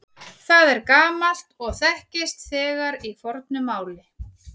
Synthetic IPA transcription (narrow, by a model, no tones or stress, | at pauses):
θaðɛɾkaːmal̥t̪ɔɣθɛhcɪst̪θɛːɣaɾifɔɾt̪nʏmːaːwlɪ